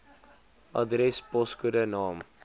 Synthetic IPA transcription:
ʔɑdɾɛspɔskudənɑːm

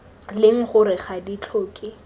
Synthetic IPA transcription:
lɪŋ̩χʊɾɪχadit͡ɬʰʊːkʼɪ

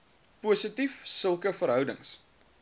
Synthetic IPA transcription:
puːsətifsəlˠkəfəɾɦœwdəŋs

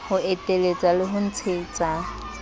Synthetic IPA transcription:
hʊetʼelet͡sʼalɪɦʊn̩t͡sʰeːt͡sʼa

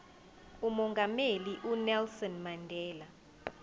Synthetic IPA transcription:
umɔŋɡʱameliʔunɛlsɔnmandʱɛːla

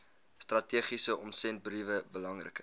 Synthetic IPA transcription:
strɐtiəχisəʔɔmsɛnt̚brivəbəlɐŋrə̰kə

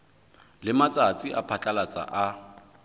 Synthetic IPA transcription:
lɪmat͡sʼat͡sʼiʔapʰat͡ɬʼalat͡sʼa̰ʔa

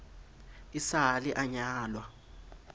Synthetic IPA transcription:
isaɦaliʔaɲaːlwa

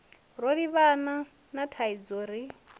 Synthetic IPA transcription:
ɾoɺiβana | natʰaid͡zoːɾi

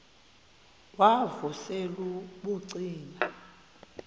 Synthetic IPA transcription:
wavuseluɓuǀiːna

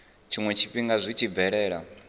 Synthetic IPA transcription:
t͡ʃʰimwɛt͡ʃʰiɸiŋɡazʷit͡ʃʰib̪vɛɺɛːɺa̰

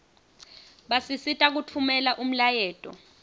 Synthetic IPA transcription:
ɓasisitʼak̬utʰumɛlaʔum̩lajɛːtʼɔ̰

